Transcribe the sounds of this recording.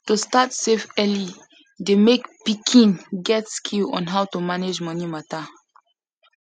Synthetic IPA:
tustatsefɛli | demekpikʰĩnɡɛtskʰilɔ̰̃nɦawtumaned͡ʒmɔnimata

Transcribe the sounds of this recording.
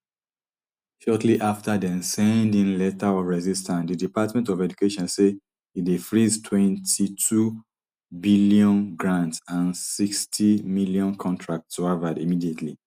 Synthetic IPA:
ʃɔtʰliʔaftadɛ̃nsɛ̃ndĩŋlɛtaɔvɹɛzistʰãndidipatmɛ̃ntɔvɛd͡ʒukeʃɔ̃nse | idifɹiztʰwɛ̃ntʰitʰu | biljɔ̃nɡɹãntsãnsikstʰimiljɔ̃nkʰɔ̃ntʰɹak̚tswavadimidietlḭ

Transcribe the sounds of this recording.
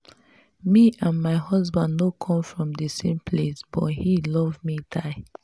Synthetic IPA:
miʔãnmaɪhʌzbãndnokʰɔ̃mfɹɔ̃mdəsẽmpʰlesb̥ɔ̰t̚hilɔvmidaɪ

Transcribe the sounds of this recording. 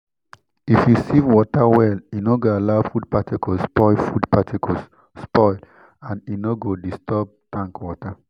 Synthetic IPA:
ifjusivwɔtawɛlinoɡoalaʊfud̚patikɔspɔɪfudpatʰikʰɔs | spɔɪl | ãninoɡodistɔb̚tãŋkwɔta

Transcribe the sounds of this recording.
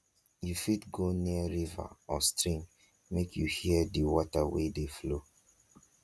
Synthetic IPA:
jufitɡoniəɹiva̰ɔstɹĩŋ | mekʰjuhiədiwɔtawedeflo

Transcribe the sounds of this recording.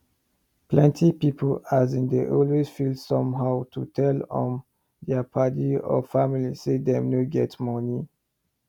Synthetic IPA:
plɛ̃ntʰipipʰolazĩndeʔɔlwezfildsɔ̃mɦaʊtʰutʰɛlɔ̰̃m | dɛəpʰatiɔ̰familisedɛ̃mnoɡɛtmɔni

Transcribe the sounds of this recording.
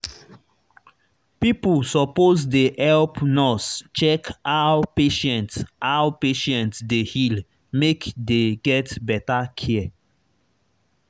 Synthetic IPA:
pipulsɔpozdehɛlpnɔst͡ʃɛkawpeʃɛ̃ntsawpeʃɛ̃ntsdehil | mekdeɡɛtbɛtakʰɛɛ

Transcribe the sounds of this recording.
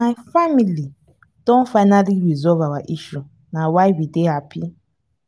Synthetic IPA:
ajfamili | d̥õnfaɪnalikɾizɔlvawaʔiʃu | nawaɪwideɦapi

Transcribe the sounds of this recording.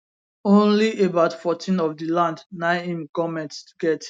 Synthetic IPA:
õnliebaʊtfɔtʰĩnɔfdilãndnãɪĩmɡɔmɛ̃ntɡɛt

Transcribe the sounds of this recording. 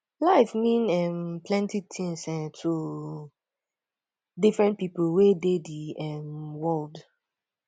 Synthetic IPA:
laɪfmĩnɛmplɛ̃ntitʰĩŋsɛtʰu | difɹɛ̃ntpipl̩wedediɛmwɔld

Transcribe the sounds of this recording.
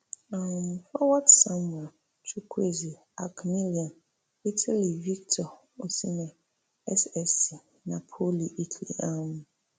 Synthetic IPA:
ãfɔwatsãma | tʰukʰuezi | akʰmiliãn | itʰaliviktʰɔ | osinɛ̃ | ɛsɛsi | nãpʰoliitʰlḭãnũ

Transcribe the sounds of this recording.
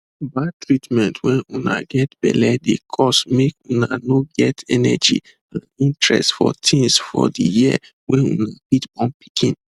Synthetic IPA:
batɹitmɛ̃ntwɛ̃nuna̰ɡɛtb̥ɛ̰lɛdekʰɔsmekunanoɡɛtɛnɛd͡ʒḭ | ãnĩntɹɛ̰stfɔ̰tʰĩŋsfɔ̰dijiə̰ | wɛ̃nunabitɔ̃npi̥kʰĩn

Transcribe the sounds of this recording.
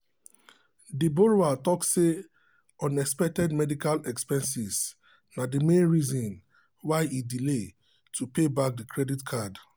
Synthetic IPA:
diboɹoatɔksse | ɔ̃nɛkspɛk̚tɛdmɛdikalɛkspɛ̃nsiz | nadimẽnɹizɔ̃n | waɪidile | tʰupebak̚dikʰɹɛditkʰad

